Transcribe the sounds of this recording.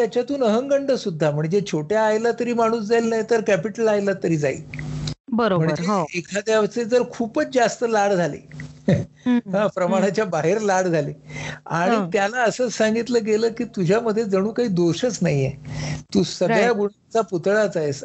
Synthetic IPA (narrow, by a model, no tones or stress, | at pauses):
t̪jat͡ɕjat̪uːnəɦəŋɡəɳɖəsud̪ʱːam̤əɳd͡zet͡ɕʰoʈjaːjlat̪əɾiːmaɽ̃uːsd͡zajlnajt̪əɾkæpiʈəlajlat̪əɾiːd͡zaḭː | bəɾoməɳd͡ʑɾeɦekʰad̪jaʋt͡sed͡zəɾkʰuːpət͡sd͡zast̪əlaɽd͡zʱalḭː | ɦãpɾəmaɽ̃at͡ɕjabaɦeɾlaɽd͡zʱaliːaɽ̃it̪jalaəsəːt͡ssaŋɡit̪ləːɡeləːkiːt̪ud͡ʑʱjaməd̪ʱːjed͡zəɽ̃uːkaɦiːd̪oɕət͡snaɦjiet̪uːsəɡɭjaɡuɽat͡saput̪ɭat͡saes